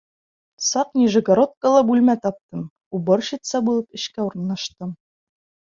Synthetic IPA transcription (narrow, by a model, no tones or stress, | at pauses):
sɑqnʲiʒɘ̆ɡɐɾot̪̚kəlˠɑbʉlmæt̪ɒp̚t̪ɤm | ubɤɾɕɤ̆t̪sɑbulˠɤpɘ̆ɕkæuɾɤ̆nːɑʃt̪ɤm